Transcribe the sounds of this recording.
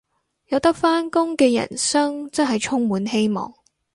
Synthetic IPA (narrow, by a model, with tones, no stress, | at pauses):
jɐ˨˧wt̪ɐ˥k̚faː˥nkʊ˥ŋkɛː˧jɐ̰˨˩nsɐ˥ŋt͡sɐ˥nɦɐ˨jt͡sʰʊ˥ŋmuː˨˥nhe˥jmɔ̰ː˨˩ŋ